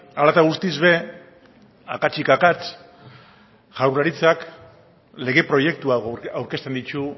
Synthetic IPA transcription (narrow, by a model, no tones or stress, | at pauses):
alat̪aɣ̞ust̪izβe̞ | a̰kat͡ʃikakat͡s | ʝawlaɾit͡seak | le̞ɣe̞pɾo̞je̞k̚t̪uaawɾket̪e̞nd̪it͡ʃu